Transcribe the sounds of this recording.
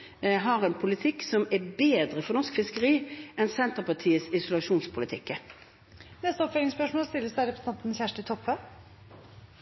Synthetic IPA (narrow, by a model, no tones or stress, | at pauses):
ɦɑʁɛnpʰʊlɪt̪ʰɪksɔmɛbeːd̪ʁəfɔnɔskfɪskəʁiːɛnsɛnt̪əpɑʈʰiːəsɪsʊlɑʂuːnspʰʊlɪt̪ʰɪkːə | nɛst̪əɔpfœlɪŋspœʂmoːlst̪ɪlːəsdæɪɾɛpʰɾəsəɑnt̪nçæʂʈɪt̪ʰɔphə